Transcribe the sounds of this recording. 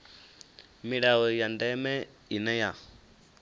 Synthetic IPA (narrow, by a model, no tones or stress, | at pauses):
miɺawɔjandɛmɛ | inɛja